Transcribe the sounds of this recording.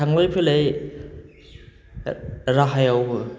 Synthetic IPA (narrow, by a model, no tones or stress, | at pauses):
aŋlojpʰɯlej | ɾaɦajaw